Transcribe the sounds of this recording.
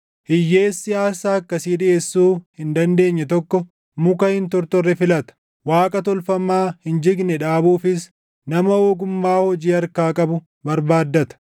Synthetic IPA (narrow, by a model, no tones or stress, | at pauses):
hɪjːe̞ːsːɪjaːsaːɐkːɐsiːdɪeːsːuːhɪnd̪ɐnd̪e̞ːɲːɛt̪ɔkːɔ | mʊkɐhɪnt̪ɔɾt̪ɔrːɛfɪlɐt̪ɐ̥ | waːkʼɐt̪ɔlfɐmːaːhɪnd͡ʒɪɡnɛᶑaːbuːfɪs | nɐmɐoːɡʊmːaːhɔd͡ʒiːɐɾkaːkʼɐbʊ | bɐɾbaːd̪ːɐt̪ɐ̥